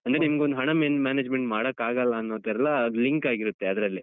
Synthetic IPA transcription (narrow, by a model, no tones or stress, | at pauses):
ɐnd̪ɾenimɐɡeond̪uɦɐɳɐmenmaːneːd͡ʒmeɳʈmaːɽɐkːaːɡɐlːɐːnːod̪ɛɛlːɐd̪liŋkaːɡiɾut̪ːe̞ɐd̪ɾɐlːi